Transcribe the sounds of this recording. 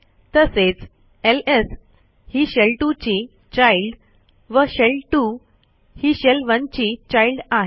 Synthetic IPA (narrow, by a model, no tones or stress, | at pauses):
t̪əset͡s | eles | hiɕelʈut͡ɕi | t͡ɕailɖ | ʋəɕelʈu | hiɕelʋə̃ɲt͡ɕit͡ɕailɖaɦ